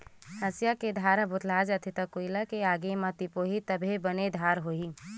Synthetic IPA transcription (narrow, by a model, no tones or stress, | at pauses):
həsjaked̪ʱaɾəbʊt̪ʰlad͡ʒət̪ʰit̪əkoilakeaːɡemə̃t̪ipoɦit̪əbʱebəned̪ʱaɾɦoi